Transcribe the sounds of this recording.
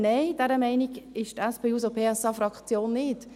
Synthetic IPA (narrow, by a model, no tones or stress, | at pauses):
nɛɪd̥ɛɾəmɛɪniɡɪʃtɛspeːuːzopʰeːɛsɑfɾɑkt͡sjoːnːɪt